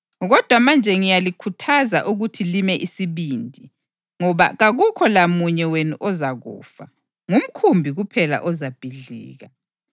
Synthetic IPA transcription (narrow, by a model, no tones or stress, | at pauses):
ɣɔd̥ʱwamand͡ʒʱɛŋijalikʰutʰaza̰ʔuɣutʰilimɛʔisiβiːndʱi | ŋɔβa̰ɣaɣukʰɔlamuɲɛwenuʔɔzaɣṵːfa | ŋum̩kʰumbʱiɣupʰɛla̰ʔɔzab̥ʱiɮḭːɣa